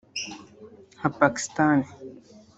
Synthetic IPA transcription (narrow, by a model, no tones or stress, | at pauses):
hɐpaːki̥st̪aːne